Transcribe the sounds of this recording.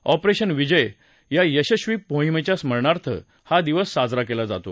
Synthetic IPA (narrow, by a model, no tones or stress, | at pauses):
ɔpɾeɕənʋid͡ʑəj | jajəɕəɕʋiːpõɦimet͡ɕjasm̤əɭɳaɾt̪ʰə̰ | had̪iʋəsːad͡zɾakelad͡zat̪o̰